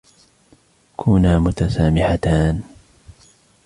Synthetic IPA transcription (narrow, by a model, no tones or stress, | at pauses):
kʰʊːnaːmʊt̪asaːmɪʕat̪aːn